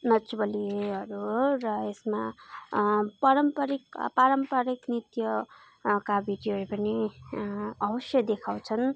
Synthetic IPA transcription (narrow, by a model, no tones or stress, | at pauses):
nʌt͡subʌliʌɾurʌesma | paɾʌmpʌɾikpaɾʌmpʌɾiknit̪jʌ | kabiʈiʌɾepʌni | ʌbʌsjʌd̪ekʰaw̃t͡sʰʌn